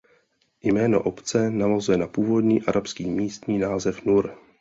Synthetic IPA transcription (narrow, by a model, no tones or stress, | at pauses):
jmɛːnoʔopt͡sɛnavazujɛnapuːvo̞dɲiːʔaɾʔapskiːmiːst̪ɲiːnaːzɛfnuɾ